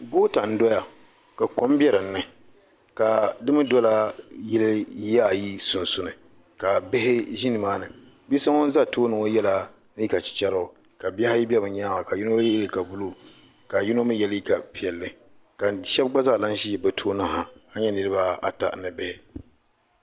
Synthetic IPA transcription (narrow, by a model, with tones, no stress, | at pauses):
ɡo˦ta˨n̩˦dɔ˦ja˨ | ka˨ko˦m˦bɛ˦ɾɨ˨n̩ː˨ɨ˨ | ka˨dɨ˦mɨ˦dɔ˦la˦ji˦lja˦˨ji˦sʊ˨n˨sʊ˦nɨ˨ | ka˨bɪ˦ɦɪ˦ʒi˦nɨ˨maː˦nɨ˨ | bi˦sa˦ŋo˦n˦za˦tʰoː˦nɨ˨ŋo˦jɛ˦la˨ | nɨ˦i˦ka˨t͡ʃɪ̥˨t͡ʃɛ˦ɾʊ˦ʊ˨ | ka˨bɛ˦ha˦ji˦bɛ˦bɨ˨ɲaː˦ŋa˨ka˨ji˦no˦jlka˨bu˦lu˦˨ | ka˨ji˦no˦mɨ˦jɛ˦lji˦ka˨pi˨ɛ˨lːɨ˨ | ka˨ʃɛ˦b̚ɡ͡ba˦zaː˦˨la˦nʃi˦˨bɛ˨tʰoː˦na˦˨ha˨a˦ɲɛ˦nɨ˦ɾɨ˦ba˦a̰˨ta̰˨ʔnɨ˨bɪ˦hɪ˦